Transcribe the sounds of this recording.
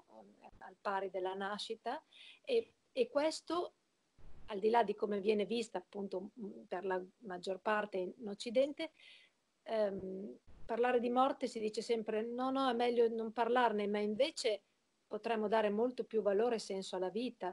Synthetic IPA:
alpaːɾid̪elːanaʃit̪aeː | kːwest̪o | ald̪ilad̪ikomevjɛːnevist̪aːpːunt̪operlamad͡ʒːorpart̪einot͡ʃːid̪ɛnt̪e | mparlaːɾed̪imɔrt̪esid̪iːt͡ʃesɛmpɾenɔnɔɛmɛʎːonomparlarnemaiɱveːt͡ʃe | pot̪ɾɛmːod̪aːɾemolt̪opjuvaloːɾesɛnsoalːaviːt̪a

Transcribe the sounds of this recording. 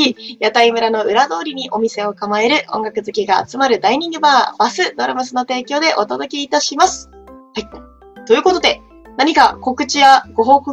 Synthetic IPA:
ijat̪aimɯ̟ɾano̞ʔɯ̟ɾad̪o̞ːɾʲiɲ̟iʔo̞mʲise̞o̞kamae̞ɾɯ̟ʔõ̞̰ŋɡakɯ̟zɨkʲiɡa̰ːt͡sɨmaɾɯ̟d̪aiɲ̟ĩŋɡɯ̟baːb̥asɨd̪o̞ɾamasɨno̞t̪e̞ːkʲo̞ːd̪e̞ʔo̞t̪o̞d̪o̞kʲeit̪aɕimasɨ̥ | hai | t̪ojɯ̟ːko̞t̪o̞d̪e̞ | naɲ̟ikako̞kɯ̟t͡ɕijaɡo̞ɦo̞ːkɯ

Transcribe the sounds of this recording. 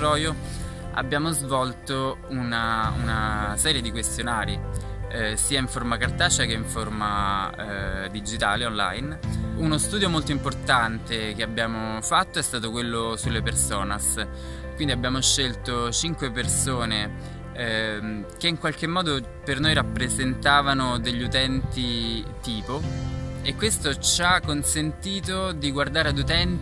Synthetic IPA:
ɾɔːjo | a̰bːjaːmozvɔlt̪o | unaṵnasɛːɾjed̪ikwest̪jonaːɾi | siːaiɱfoɾmakart̪aːt͡ʃakeiɱforma | d̪id͡ʒit̪aːleonla̰jnunost̪uːd̪jomolt̪oimport̪ant̪ek̟eabːjaːmofat̪ːoɛst̪aːt̪okwelːosulːepersoːnas | kwind̪iabːjaːmoʃːelt̪ot͡ʃiŋkwepersoːne | k̟eiŋkwalk̟emːɔːd̪o | pernojɾapːɾezent̪aːvanod̪eʎːut̪ɛnt̪it̪iːpoekːwest̪ot͡ʃakːonsent̪iːt̪od̪iɡward̪aːɾead̪ut̪ɛnt̪

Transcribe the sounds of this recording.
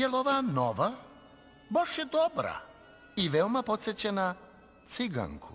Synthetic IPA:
jeloʋanoʋa | boʃjed̪obɾa̰ | iʋeomapo̞t̪set͡ɕena | t̪siɡa̰ŋkʰṵ

